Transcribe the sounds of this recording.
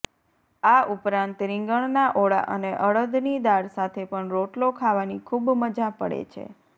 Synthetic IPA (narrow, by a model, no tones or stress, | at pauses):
aupɾãnt̪ɾĩŋɡəɳnaʔoɭa̰ʔəneʔəɭəd̪nid̪aɽsat̪ʰepəɳɾoʈlokʰaʋanikʰubməd͡ʒapəɽḛt͡ʃʰḛ